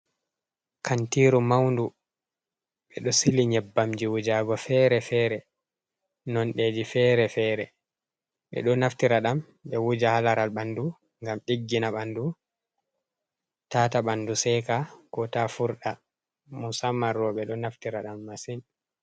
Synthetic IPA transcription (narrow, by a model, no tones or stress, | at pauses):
kʰantiːɾumawndu | ɓɛɗɔsiliɲɛbːamd͡ʒiwud͡ʒaɡɔfɛɾɛfɛːɾɛ | nɔnɗeːd͡ʒifɛːɾɛfɛɾɛ | ɓɛ̰ɗɔnaftiɾaɗam | ɓɛwud͡ʒahalaɾalɓandu | ŋɡamɗiɡːinaɓandu | taːtaɓandusɛkakɔtafuɾɗa | musamaɾɔɓɛɗɔnaftiɾaɗamːasin